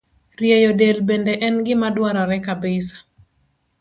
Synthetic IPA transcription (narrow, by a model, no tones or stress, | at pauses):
rjejodelbendeʔɛnɡɪmadwaɾɔɾɛkabɪsḁ